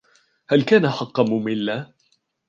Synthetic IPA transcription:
halkaːnaħɑqːɑmʊmɪlːa

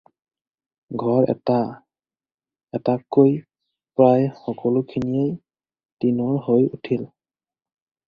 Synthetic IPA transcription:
ɡʱɔɹɛ̰ta | ɛtakːoj | pɹajxɔkɔlokʰinijej | tinɔɹɦojutʰil

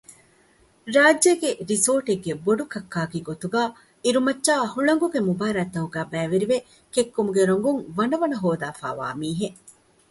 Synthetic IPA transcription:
ɾaːd͡ʒːeɡeɾisoːʈeɡːeboɖukɐkːaːkiɡot̪uɡaː | iɾumɐtːʃaːɐhuɭɐŋɡuɡemubaːɾaːt̪ːɐɦuɡæːbæːʋeɾiʋe | kekːumuɡeɾoŋ̆ɡuŋʋɐnɐʋɐnɐɦoːd̪aːfa̰ːʋa̰ːmiːɦe

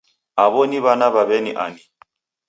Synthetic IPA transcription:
aβɔniβanaβaβɛnḭʔa̰ni

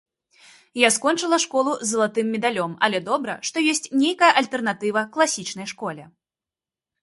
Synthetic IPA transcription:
jaskɔnt͡ʂɨlˠɐʂkɔlˠuzːɐlˠat̪ɨmːʲɛd̪alʲɔmɐ̰lʲɛd̪ɔbɾɐ̰ʂt̪ɔjɔsʲt͡sʲnʲejkɐjɐʔɐlʲt̪ɛrnat̪ɨvɐklˠasʲit͡ʂnɐjʂkɔlʲɛ

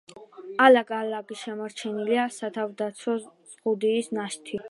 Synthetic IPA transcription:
alaɡʼalaɡiʃɛmaɾt͡ʃʰɛniliasat̪ʰavd̪at̪sʰɔz̥ʁud̪iːsnaʃt̪ʰi

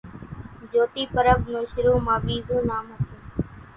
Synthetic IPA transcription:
d͡ʒoːt̪iːpəɾəfnõːʃɪɾoːmãːbiːzoːnaːmɦət̪oː

